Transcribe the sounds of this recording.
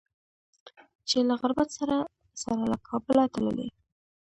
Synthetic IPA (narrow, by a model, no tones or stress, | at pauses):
t͡ʃelaɣaɾbat̪saɾa | saɾalakʰɑbəlat̪alə̰lḛ